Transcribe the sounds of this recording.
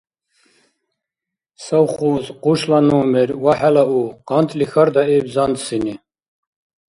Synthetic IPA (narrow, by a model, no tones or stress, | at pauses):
sawχuːzquʃlanuːmɛɾwaħɛlauqɑnt̪lixaɾd̪aɛbzand̪sini